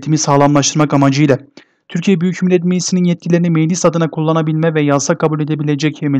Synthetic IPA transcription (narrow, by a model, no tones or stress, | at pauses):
t̪ʰimisaːlˠamlˠaʃt̪ʰɯɾmakamad͡ʒɯjlʲˠa | t̪ʰyɾcʰijɛbyjycmilʲːɛt̪̬mejisininjɛt̪̚cʰilʲeinimejlʲisad̪ɯnakʰulˠːanabilʲmɛvɛjasakʰabulʲe̞d̪ebilʲed͡ʒɛcemi